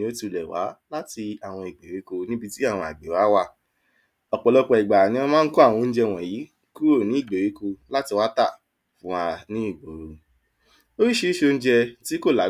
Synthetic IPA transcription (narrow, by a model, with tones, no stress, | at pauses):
o˦tu˧˨lɛ˨wa̰˨˦la˦ti˧a˨w̃ɔ̃˧i˨ɡ͡be˨ɾi˨˦ko˧nĩ˦bi˧ti˦a˦˨w̃ɔ̃˧˨a̰˨ɡ͡be˨wa˨˦wa˧˦ | ɔ˨k͡pɔ˨lɔ˧k͡pɔ˧i˨ɡ͡ba˨nĩ˧˦ɔ˧mãː˦n̩˦ku˦a˦˨wɔ̃˧n̩˦d͡ʒɛ˧˨w̃ɔ̃˨ji˨˦ | ku˦o˦˨nĩ˨˦i˦˨ɡ͡be˨ɾe˨˦ko˧la˦ti˧wa˦ta˦˨ | fũ˦a˧nĩ˦i˦˨ɡ͡bo˨˦ɾo˧ | o˦i˦ʃe˧˦i˦ʃo˧n̩˦d͡ʒɛ˧ti˨˦ko˦˨la˨˦